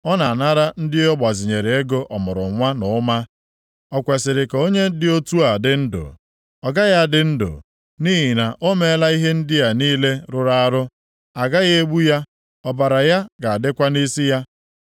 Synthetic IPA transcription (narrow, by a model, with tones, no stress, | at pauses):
ɔ˦na˨na˦ɾa˦n̩˦dɪ˦ɔ˦ɡ͡ba˨zɪ˨ɲe˨ɾe˨e˦ɡo˦ʔɔ˨mʊ˨ɾʊ̰˨ŋʷa˦nʊ˨˦ma˦ | ɔ˨kʷe˨sɪ˨ɾɪ˨ka˨o˦ɲe˦dɪ˦o˦tu˦a˨dɪ˨n̩˦dʊ̰˨ | ɔ˨ɡa˦ja˦˨dɪ˨n̩˦dʊ̰˨ | niː˦ɦi˨na˨ʔo˦me˦la˦i˦ɦe˦n̩˦dɪ˦ja˨niː˦le˦ɾʊ˨ɾa˦˨a˦ɾʊ˦ | a˨ɡa˦ɣe˦e˦ɡ͡bu˦ja˦ | ɔ˦ba˨ɾa˨ja˦ɡa˨a˨dɪ˦kʷa˦ni˦si˦ja˦